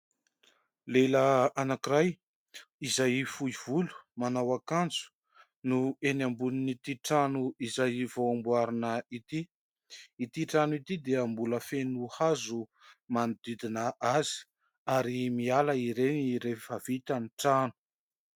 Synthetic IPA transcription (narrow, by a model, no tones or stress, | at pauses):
leləanakiɾaj | izajfuiv̥ulu̥manawakand͡zu̥ | nuenambuninit̪iʈ͡ʂanuizajvoambuaɾinəit̪iː | t̪iʈ͡ʂanuit̪id̪eambuləfenuhazumanid̪id̪inəʔazi̥ | aɾimialəiɾeniɾefavit̪aniʈ͡ʂanu̥